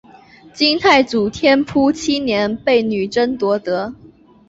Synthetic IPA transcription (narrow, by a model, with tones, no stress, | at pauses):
t͡ɕi˥ŋt̪ʰa˥˩ɪt͡su˨˩t̪ʰjɛ˥npʰu˥t͡ɕʰi˥njɛ˧˥npe˥˩ɪny˨˩ʈ͡ʂə˥nt̪wɔ˧˥t̪ɤ˧˥